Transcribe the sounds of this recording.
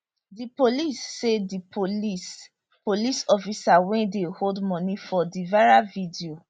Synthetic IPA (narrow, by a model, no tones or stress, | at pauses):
dipolisːedipʰolis | polisɔfisawɛ̃ndeholdmɔ̃nĩfɔdivaɹavidio